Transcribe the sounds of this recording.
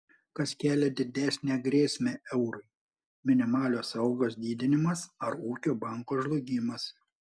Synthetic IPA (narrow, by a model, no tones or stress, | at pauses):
kɐskʲæːlʲɛd̪ʲɪd̪ʲæsʲnʲæːɡɾʲeːsʲmʲæːʔɛʊɾʊɪ | mʲɪnʲɪmɑːlʲoːsɐʊɡoːs̬d̪ʲiːd̪ʲɪnʲɪmɐsɐɾuːkʲoːbɑˑŋkoːʒlˠʊɡʲimɐs